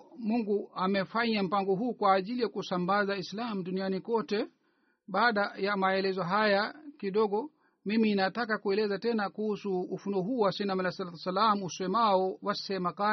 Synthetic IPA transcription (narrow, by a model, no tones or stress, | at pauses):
muŋɡuamɛfaɲam̩paŋɡɔɦuːkwaːʄilijakusambazaislamuɗunianikɔtɛ | ɓaːɗajamaɛlɛzɔɦajakiɗɔɠɔ | miminatakakuɛlɛzatɛnakuhusuːfunɔɦuːwasinamalasalat̪ɛsalamuusɛmaɔwassɛmaka